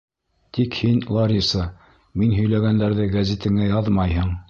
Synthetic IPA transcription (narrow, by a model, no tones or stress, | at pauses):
t̪ikhinlˠɑɾʲisɤ | minɦɵ̆jlæɡænd̪æɾðɘɡæzʲit̪ɘ̆ŋæjɑðmɑjɦɤ̆ɴ